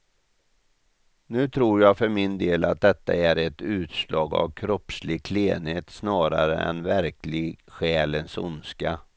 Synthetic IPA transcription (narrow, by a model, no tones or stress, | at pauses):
nʉ̟ːt̪ʰɾuːɾjaɡfœɾmɪnd̪eːlat̪̚d̪ɛt̪ːa̰æɾɛt̪ʉ̟ːt̪slɑːɡa̰vkʰɾɔpslɪkʰleːnheːt̪snɑːɾaɾə̰ɛ̰nvæɾklɪɡɧɛːlənsʊ̰nska